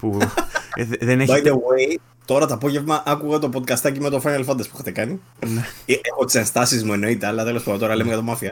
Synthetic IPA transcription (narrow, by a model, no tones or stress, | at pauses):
pu | ðenebɐjd̪ewej | t̪o̞ɾɐt̪oːpo̞ʝe̞vmɐʔɐkuɣɐt̪o̞pod̪̚kɐst̪ɐcimet̪o̞fɐnɐlfɐnd̪ɐspuexɐt̪ekɐni | neexot̪i̥se̞nst̪ɐsizmue̞no̞it̪eɐlːɐt̪elo̞spɐnd̪ot̪oɾɐlemejɐt̪omɐfiɐ